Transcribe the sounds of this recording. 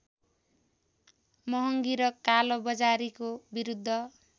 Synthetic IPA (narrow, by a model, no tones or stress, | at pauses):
mʌɦʌŋɡiɾʌkalobʌd͡zaɾikobiɾud̪ʱːʌ